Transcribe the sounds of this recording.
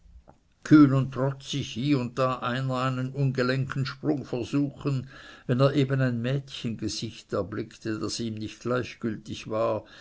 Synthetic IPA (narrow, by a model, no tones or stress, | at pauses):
kʰyːnʊntʁ̥ɔt͡sɪçhiːʊnt̚d̥aːʔaɪnɐaɪnənʊnɡəlɛŋktn̩ʃpʁ̥ʊŋfɛɐzuːxənvɛneːɐʔeːbənaɪnmɛːtçənɡəz̥ɪçtɛɐblɪktʰəd̥asiːmnɪçtɡ̥laɪçɡ̥ʏltɪçvaːɐ